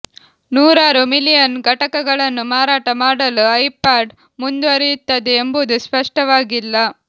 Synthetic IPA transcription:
nuːɾaːɾumilijɐnɡʱɐʈɐkɐɡɐɭɐnːumaːɾaːʈɐmaːɽɐluɐjpaːɖ | mund̪uɐɾijut̪ːɐd̪eːmbud̪uspɐʂʈɐʋaːɡilːɐ

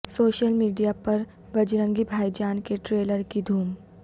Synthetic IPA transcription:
soːʃəlmiːɖijapɐɾ | bɐd͡ʒɾə̃ŋɡibʱaːid͡ʒaːnkeʈɾeːləɾkid̪ʱuːm

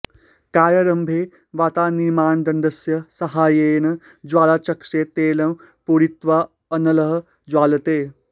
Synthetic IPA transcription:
kaːɾjɐɾɐmbʱeː | ʋaːt̪aːniɾmaːnd̪ɐnd̪ɐsjɐsɐɦaːjeːnɐ | d͡ʒwaːlaːt͡ʃɐkʂeːt̪eːlɐm | puːɾit̪ʋa | ɐnɐlɐɦɐ | d͡ʒwaːlɐt̪eː

